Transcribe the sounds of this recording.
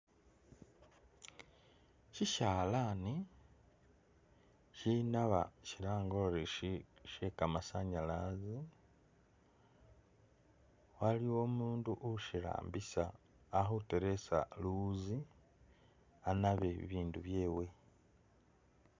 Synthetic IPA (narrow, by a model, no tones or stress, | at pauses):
ciʃaːlani | cinaβa̰ciɾaːŋɡooɾeʃekamasaɲalazi | waliwo̞ːmuːnduʔuʃila̰ːmbisaː | xuteɾe̞sa̰luzi | anaβeḭβiːnduβje̞ːwe̞